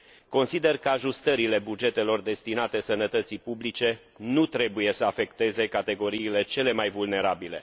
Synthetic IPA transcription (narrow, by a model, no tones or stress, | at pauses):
ko̞nsid̪e̞rkəaʒust̪əɾile̞bud͡ʒe̞t̪e̞lo̞rd̪e̞st̪inat̪e̞sənət̪ət̪sipublit͡ʃe̞ | nut̪ɾe̞buje̞səafe̞kt̪e̞ze̞kat̪e̞ɡo̞ɾiːle̞t͡ʃe̞le̞majvulne̞ɾabile̞